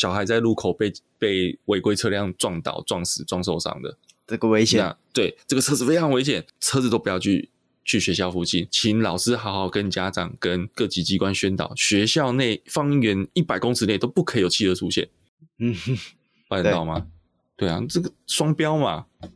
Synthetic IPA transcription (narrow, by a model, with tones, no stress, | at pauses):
ɕjɑ˨˩ʊxa˧˦ɪt͡sa˥˧ɪlu˥˩kʰo˨˩ʊpe˥˧ɪ | pe˥˩ɪwe˧˥ɪkwe˥ɪt͡sʰɤ˥˧ljɑ˥˧ŋt͡swɑ˥˧ŋt̪ɑ̰˨˩ʊt͡swɑ˥˩ŋsɹ̩˨˩t͡swɑ˥˧ŋs̬o˥˧ʊʂɑ̰˥˩ŋd̪ə̰˩ | ə˥˧ɡə˨we˥ɪɕjɛ˨na̰˥˧t̪we˥˩ɪt͡sɤ˥˩ɡə˨˩ɤ˥˩fe˥ɪɑ˧˥ŋwe˧ɪɕ̬jɛ˨˩˦nt͡sʰɤ˥t͡s̩˨˩t̪o˥ʊpu˧jɑ˥˧ʊt͡ɕʰy˥˧ | t͡ɕʰy˥˩ɕɥɛ˧˥ɕjɑ˥˩ʊfu˧˥˩t͡ɕʰi˥˩nt͡ɕʰi˧˥nlɑ˨˩ʊsɹ̩˥xɑ˧˥xɑ˨˩ʊkə˦nt͡ɕja˥ʈ͡ʂɑ˨˩ŋkə˦˥nkɤ˥˧t͡ɕi˧˥t͡ɕi˥kwa˦nɕɥɛ˥nt̪ɑ̰˨˩ʊɕɥɛ˧˦˥ɕjɑ˥˧ʊne˥˩ɪfɑ˥ŋi˥ɥɛ˧˥ni˥˩pa˨˩ɪko˥ŋs̩ʰ˧˥ne˥˩ɪt̪o˥ʊpu˥˩kʰɤ˧˥i˨jo˨˩ʊt͡ɕʰi˥˩d̪ə˩t͡sʰu˥ɕjɛ̰˥˩n̩˥˩ | wa˥˧t̪ɑ˥˩ʊma˩ | t̪we˥˩ɪa˨t͡sə˥˩ɡə˩ʂwɑ˥ŋpjɑ˥ʊma̰˨